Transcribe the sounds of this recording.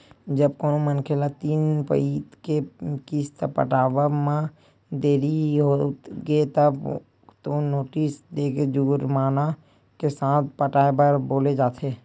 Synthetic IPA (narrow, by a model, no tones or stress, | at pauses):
d͡ʒəbkoːnomənkʰeːlat̪iːnpə̰it̪kekiːst̪əpə̰ʈaːʋəmã | d̪eːɾiɦot̪ɡet̪əb | t̪onoːʈiːsd̪eːked͡ʒuːɾmaːna | kesãːt̪̚ʰpəʈaːebəɾboːled͡ʒaːt̪ʰeː